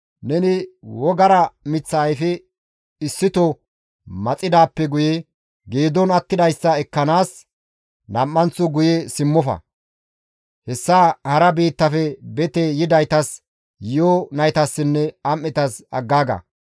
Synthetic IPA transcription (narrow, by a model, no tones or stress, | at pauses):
nɛnɪwɔɡɐɾɐmɪt͡sːɐːjfɪ | ɪsːɪt̪ɔ | mɐt͡sʼːɪd̪aːpːɛɡʊjɛ | ɡeːd̪ɔnɐt̪ːɪd̪ɐjsːɐɛkːɐnaːs | nɐmːɐnt͡sːʊɡʊjɛsɪmːɔfɐ̰ | hɛsːaːhɐɾɐbiːt̪ːɐfɛbɛt̪ɛjɪd̪ɐjt̪ɐs | jɪjɔnɐjt̪ɐsːɪnːɛɐmːɪt̪ɐsɐ̰ɡːaːɡɐ̰